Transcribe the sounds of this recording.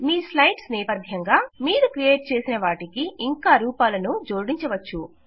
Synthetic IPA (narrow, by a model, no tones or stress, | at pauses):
miːslɐjʈsnɛːpɐd̪ʱjɐŋɡaːmiːɾukɾijeːʈ̚t͡ʃe̞ːsinɐʋaːʈikiːŋkaːɾuːpaːlɐnud͡ʒo̞ːɽiɲt͡ʃɐʋɐt͡ʃːu